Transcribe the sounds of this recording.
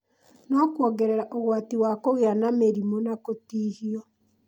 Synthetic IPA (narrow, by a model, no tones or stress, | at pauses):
nɔkwɔɣɛɾeɾaʔoɣwatiwakoɣeanameɾimonakotiːhiɔ